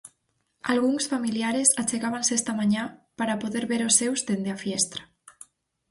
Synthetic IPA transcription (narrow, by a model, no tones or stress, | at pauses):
alɣuŋsfamiliaɾezat͡ʃeɣaβansest̪amaɲapaɾapoðeɾβeɾosːewzd̪end̪eafjest̪ɾḁ